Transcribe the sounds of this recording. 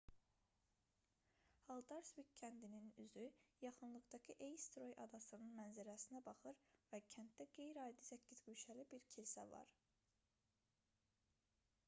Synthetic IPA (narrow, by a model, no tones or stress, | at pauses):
hɑlˠd̪ɑɾsvikcʰːænd̪ininyzyjɑχɯnlˠɯɣd̪ɑcʰɯʔejst̪ɾo̞jʔɑd̪ɑsɯnɯnmænzæɾæsinæbɑχɯɾvæcʰænt̪̚d̪æɡe̞jɾɑːd̪isæcːizɡyjʃælibiɾcʰilsæ̰vɑ̰ɾ